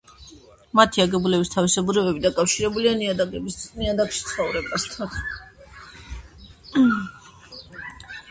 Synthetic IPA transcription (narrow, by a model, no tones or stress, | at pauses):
mat̪ʰiaɡɛbulɛbist̪ʰavisɛbuɾɛbɛbid̪akʼafʃiɾɛbulianiad̪aɡɛbiniad̪akʃi̥t̪sʰχɔvɾɛbast̪ʰan